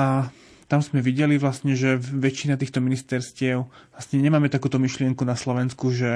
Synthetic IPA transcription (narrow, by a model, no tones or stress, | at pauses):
a | t̪amzmɛʋiɟɛliʋlast̪ɲɛʒɛʋɛt͡ʃːinat̪iːxt̪ɔminist̪ɛɾscɪɛʊ | lastɲɛɲɛmaːmɛt̪akuːt̪ɔmiʃlɪɛŋkunaslɔʋɛnskuʒɛ